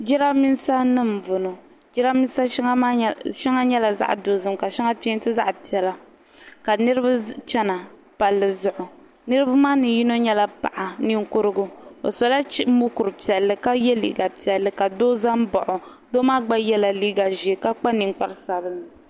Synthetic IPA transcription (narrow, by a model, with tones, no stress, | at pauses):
d͡ʒi˦ɾa˦mi˦nsa˦nɨ˦m˨vʊ˨no˨ | d͡ʒi˦ɾa˦mi˦n˦sa˦ʃɛ˦ŋa˦ɲɛ˦la˨za̰˦ʔdoː˨zɨ˦mka˨ʃɛ˦ŋa˦pi˦ɛ˦ntɨ˦za̰˦ʔpi˨ɛ˨la˨ | ka˨nɨ˦ɾɨ˦ba˦t͡ʃɛ˦na˨ | pa˨lːɨ˨zʊ˨ʔʊ˨ | nɨ˦ɾɨ˦ba˦maː˦nɨ˨ji˦no˦ɲɛ˦la˦pa̰˨ʔa˨ni˦ŋkʊ˦ɾɨ˦ɡʊ˦o̰˨sɔ˨la˦mu˦kʊ˨ɾɨ˨pi˨ɛ˨lːɨ˨ka˦jɛ˦lḭː˨ɡa˨pi˨ɛ˨lːɨ˨ka˨doː˦za˦m˦bɔ˨ʔʊ˨ | doː˦maː˦ɡ͡ba˦jɛ˦la˨liː˦ɡa˨ʒe˨ka˦k͡pa˦ni˨ŋk͡pa˦ɾsa˨bɨ˦n˨